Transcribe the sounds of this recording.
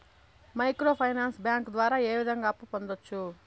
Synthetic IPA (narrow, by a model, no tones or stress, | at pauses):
mɐjkɾo̞ːpʰɐjnaːnsbjaːŋkd̪ʋaːɾaːe̞ːʋid̪ʱɐŋɡaːpːupo̞nd̪ot͡ʃːu